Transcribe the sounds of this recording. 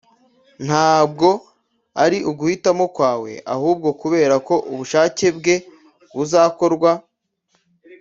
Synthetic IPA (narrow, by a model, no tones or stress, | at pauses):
n̥haːbɡo̞ | aɾiʔuɡuhitamo̞kwaːwe̞̰a̰huːb̚ɡo̞kuβe̞ːɾako̞ʔuβuʃaːce̞bɡe̞ | βuzaːko̞ɾɡwa